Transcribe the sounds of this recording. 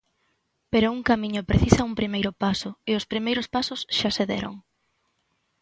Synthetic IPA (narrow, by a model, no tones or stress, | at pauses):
peɾʊuŋkamĩɲʊpɾeθisaumpɾimejɾʊpasʊɪospɾimejɾʊspasʊsʃaseðɛ̰ɾo̰ŋ